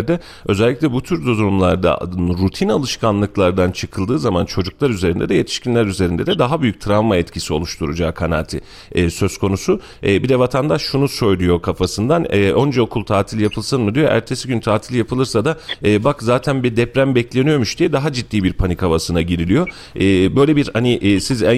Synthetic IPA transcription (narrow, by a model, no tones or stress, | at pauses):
ɾd̪ɛ | ø̞zɛlʲːiclʲɛbut̪ʰyɾd̪ozɾumlˠaɾd̪a̰nɾut̪ʰinalˠɯʃkʰanlˠɯklˠaɾd̪ant͡ʃʰɯkʰɯlˠd̪ɯːzamant͡ʃʰo̞d͡ʒuklˠaɾyze̞ɾind̪ɛd̪ɛje̞t̪ʰi̥ʃcinlʲæɾyze̞ɾind̪ɛd̪ɛd̪aɦabyjyc̚ʲt̪ʰɾavmaɛt̪cʰisio̞lˠuʃt̪ʰuɾud͡ʒaːkʰana̰ːt̪ʰḭː | sø̞z̥kʰo̞nusuː | bid̪ɛvat̪ʰand̪aʃːunusøjlʲujo̞kʰafasɯnd̪anːʔond͡ʒao̞kʰulˠt̪ʰaːt̪ʰilʲjapʰɯlˠsɯnmɯd̪ijo̞̰ʔæ̰ɾt̪ʰe̞siɟynt̪ʰaːt̪ʰilʲjapʰɯlˠɯɾsad̪aɛːbakzaːt̪ʰænbiɾd̪ɛpɾæmbɛclʲe̞nijo̞muʃd̪ijɛd̪aɦad͡ʒid̪ːiːbiɾpʰanikʰavasɯnaɟiɾilʲijo̞ | ɛːbø̞jlʲebiɾhaniʔːsizæ